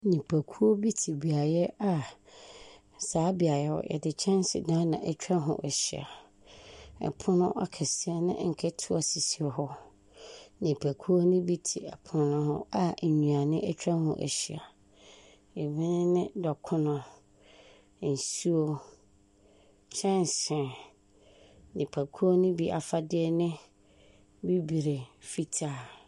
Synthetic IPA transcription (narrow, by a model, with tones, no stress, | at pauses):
nĩ˨pʰæ˨kʰu˦o˦bi˦tʰi˨bi˨a˨jɛ˦a˨ | saː˨˦bi˨a˨jɛ˦hɔ̰˨jʔɛ̰˨dɪ˨t͡ɕʰɛ̃˦n˦sɪ̰˨dã˦nã˨ʔɛ˦t͡ɕᶣɾã˦ɦʊ̰̃˨ʔɛ˨ɕi˨a̰˨ | ɛ̰˨pʰʊ̃˦nʊ̃˦ʔa̰˨kʰɛ˨si˦a˦nɪ̰̃˦ŋ̩˨kʰɛ˦tʰʊ˦a˨si˨si˨hɔ˦ | nĩ˨pʰæ˨kʰu˦o˦nʊ̃˦bi˦tʰi˨ɛ˨pʰʊ̃˨˦nʊ̃˦hʊ̰̃˦a˦˨ɲũ˨a˨nɪ̃˦ʔɛ˦t͡ɕʰᶣɾã˦hʊ̰̃˦ʔæ̰˨ɕi˨a˨ | e˨mĩ˦nɪ̃˦nɪ̃˦dɔ˨kʰʊ̃˦nʊ̃˨ | n̩˨su˦o˦ | t͡ɕʰɛ̃˦n˨sɪ̃˨ | nɪ̃˨pʰæ˨kʰu˦o˦nʊ̃˦bi˦ʔa̰˨fa˨dɪ˦ɛ˦nɪ̃˦ | bi˦bi˨ɾe˨fi˦tʰaː˦˨